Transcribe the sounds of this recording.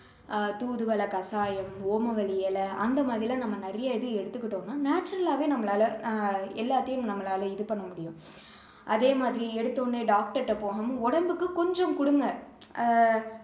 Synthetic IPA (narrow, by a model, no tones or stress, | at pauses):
t̪uːðɯʋɐlɐkɐsaːjɐmoːmɐʋɐɭɪjɛlɐɐnd̪ɐmaːðɾɪlãːnɐmːɐnɐɾɐjɐɪðɯɛɽɯt̪ːɯkːɪʈːoːnːaːnaːt͡ʃːɐɾɐlaːʋeːnɐmːɐlaːlɐɛlːaːt̪ːɐjʊmnɐmːɐlaːlɐɪðɯpɐɳːɐmʊɽɪjʊ̃ | ʔɐðeːmaːðɪɾiɛɽɯt̪ːoːnːeːɖaːk̚ʈɐɾʈːɐpoːɣɐmɔɽɐmbɯkːɯkɔɲd͡ʒɐmkʊɽɯŋɡɐ